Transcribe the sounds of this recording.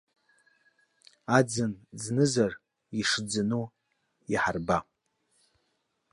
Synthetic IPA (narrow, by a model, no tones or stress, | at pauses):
ad͡zɨnd͡znɨzar | iʂd͡zɨnu | iħarba